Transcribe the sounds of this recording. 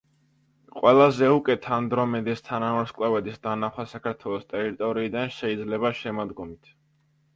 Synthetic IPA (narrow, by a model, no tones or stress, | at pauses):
qʼwɛlˠazɛukʼɛt̪ʰand̪ɾɔmɛd̪ist̪ʰanamɛɾskʼlˠavɛd̪isd̪anaχwasakʰaɾt̪ʰwɛlˠɔst̪ʼɛɾit̪ʼɔɾiːd̪anʃɛid̪zlɛβaʃɛmad̪ɡɔmit̪ʰ